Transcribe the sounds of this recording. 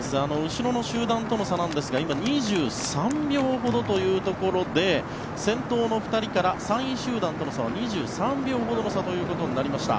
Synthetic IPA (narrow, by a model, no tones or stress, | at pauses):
sɨano̞ɯ̟ɕiɾo̞no̞ɕɨːd̪ãnt̪o̞no̞sanãnd̪esɨɡaimaɲ̟iʑɨːsãmbʲjo̞ːɦo̞d̪o̞t̪o̞jɯ̟ːt̪o̞ko̞ɾo̞d̪e̞ | sẽ̞nt̪o̞ːno̞ɸɯ̟̥t̪aɾʲikaɾasãɰ̃iɕɨːd̪ãnt̪onosaβaɲ̟iʑɨːsãmbʲjo̞ːɦo̞d̪o̞nosat̪o̞jɯ̟ːko̞t̪o̞ɲ̟inaɾʲimaɕi̥t̪a̰